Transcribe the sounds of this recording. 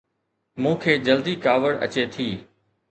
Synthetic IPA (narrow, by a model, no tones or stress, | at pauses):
mũːkʰeːd͡ʑəld̪iːkaːʋəɽə̰t͡ɕeːt̪ʰiː